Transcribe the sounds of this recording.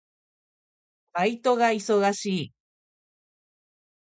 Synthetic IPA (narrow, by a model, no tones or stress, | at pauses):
pait̪oɡaiso̞ɡaɕiː